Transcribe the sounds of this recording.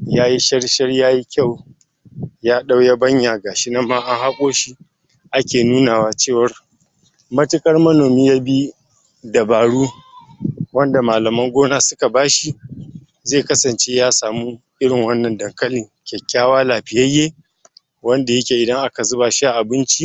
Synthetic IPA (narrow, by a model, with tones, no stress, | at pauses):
jaː˦ji˦ʃɐ˦rʃɐ˦rjaː˦ji˦kʲa˦˨w | jaː˦ɗa˦wja˦bɐ˦ɲja˨ɡaː˨ʃi˦nɐ˦mːaː˦ʔa˦ŋha˦kʷʼoː˦ʃi˦ | ʔa˦kʲeː˨nuː˦naː˨waː˦t͡ʃeː˦˨wɐ˨r | mɐ˦tɪ˦kʼɐ˦rmɐ˦noː˨miː˦ja˦bi˦ | da˨baː˨ɽuː˦ | wɐ˦nda˨maː˨lɐ˨mɐ˦ŋɡʷoː˦naː˦sʊ˦ka˨baː˦ʃi˦ | zeː˦˨kɐ˦sɐ˨nt͡ʃe˦jaː˦saː˨muː˦ʔɪ˦ɽɪ˨ŋwɐ˦nːɐ˨ndɐ˨ŋkɐ˦lɪ˨ŋkʲɛ˨kʲːaː˦waː˦laː˨ɸɪ˨jɐ˦jːeː˦ | wɐ˦nda˨jɐ˦kʲeː˨ʔɪ˨dɐ˦ŋʔa˦ka˨zʊ˦baː˨ʃi˦ʔa˨ʔa˨bɪ˦nt͡ʃi˦